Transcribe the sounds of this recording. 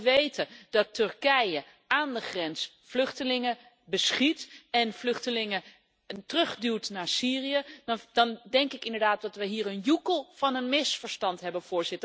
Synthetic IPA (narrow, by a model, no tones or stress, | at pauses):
ʋejtədɑtɵɹkɛjə | aːndəχrɛns | flɵχtəlɪŋə | bəsχitɛnflɵχtəlɪŋə | tərɵχdyːɹtnaːɹsiːriəd̥ɑndɛŋkɪkɪndəɹdaːt̚dɑtʋəɦiːɹənjukəlˠvɑnənmɪsfəɹstɑntɦɛbənvʊːɹz̥ɪtə